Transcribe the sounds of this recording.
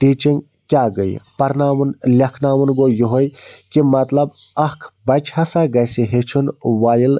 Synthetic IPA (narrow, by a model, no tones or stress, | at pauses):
ʈiːt͡ʃiŋɡ | kʲjaːɡəjpɐɾnaːʋɐnlʲɐkʰnaːʋunɡojoɦojkimɐt̪lɐb | ɐkʰbɐt͡ʃʰasaɡɐsiɦet͡ʃʰunʋaːjəl